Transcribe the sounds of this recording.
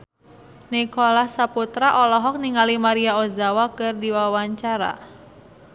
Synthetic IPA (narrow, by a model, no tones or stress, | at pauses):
nikolahsaput̪ɾaʔɔlɔɦɔk̚niŋalimaɾiaozawakɨrdiwawaɲt͡ʃaɾa̰